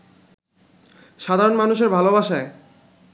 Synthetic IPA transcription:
ʃad̪ʱaɾonmanuʃeɾbʱalobaʃae

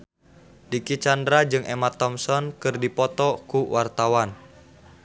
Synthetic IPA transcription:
dikit͡ʃandɾad͡ʒɨŋʔemat̪ɔmsɔnkɨrdipɔt̪ɔkuwart̪awan

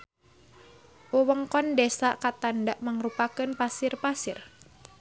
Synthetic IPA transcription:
wuwəŋkɔndɛsakat̪andaʔmaŋrupakɨnpasirpasir

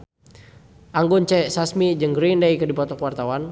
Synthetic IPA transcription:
ʔaŋɡunt͡ʃɛsasmid͡ʒəŋɡɾindaikədipɔt̪ɔkəwart̪awan

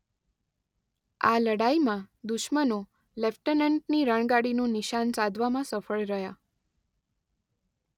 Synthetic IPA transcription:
aləɽaimãd̪ʊʃməno | lɛfʈənəɳʈ̚niɾəɳ̃ɡaɽinũnɪʃansãd̪ʱʋamãsəfəɭɾəɦja

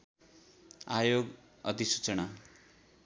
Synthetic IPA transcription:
ajoɡ | ʌt̪isu̥t͡sʌna

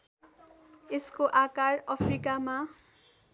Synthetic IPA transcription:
eskoʔakarʌpʰrikama

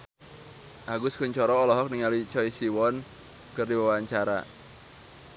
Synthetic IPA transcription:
ʔaɡʊskuɲt͡ʃɔɾɔːlɔɦɔk̚niŋalit͡ʃɔisiwɔn | kɨrdiwawaɲt͡ʃaɾa̰

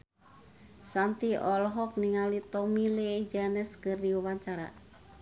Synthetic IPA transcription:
sant̪iɔlɔɦɔk̚niŋalit̪ɔmiled͡ʒanɛskɨrdiawaɲt͡ʃaɾa̰

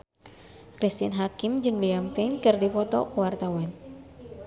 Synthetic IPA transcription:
kɾist̪ianɦakimd͡ʒɨŋliampɛnkɨrdipɔt̪ɔ̰kuwart̪awan

